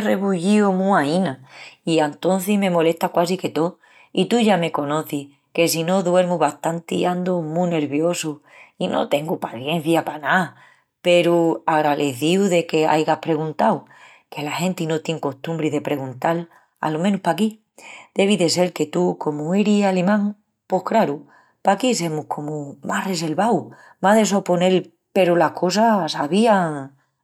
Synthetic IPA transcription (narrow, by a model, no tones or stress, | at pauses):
re̞βuʝiomũainaiant̪o̞n̟θimẽ̞mo̞le̞st̪akwasike̞t̪o | it̪uʝame̞ko̞no̞θih | ke̞sino̞ðwe̞ɾmuβaht̪ant̪ḭand̪omune̞ɾβjo̞su | inʔo̞̰t̪e̞ŋɡupaθje̞n̟θjapana | pe̞ɾuaɣɾaðeθiwðe̞ke̞a̰jɣahpɾe̞ɣ̞unt̪aw | ke̞lahẽ̞nt̪ino̞t̪je̞ŋko̞ht̪ũmbɾiðepɾe̞ɣũnt̪al | a̰lomẽnuhpaki | d̪̥e̞β̞iðe̞se̞ɾke̞t̪uko̞mue̞ɾisalemãŋ | po̞hkɾaɾu | pakis̬e̞muhkʰo̞mumahre̞se̞lβaw | maðeso̞po̞ne̞l | pe̞ɾulahkʰo̞sasaβiaŋ